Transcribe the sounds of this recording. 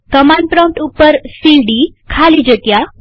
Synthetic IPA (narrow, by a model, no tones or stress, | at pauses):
kəmaɳɖ̚pɾɔ̃w̃ʈupːəɾsiɖikʰalid͡ʒəkja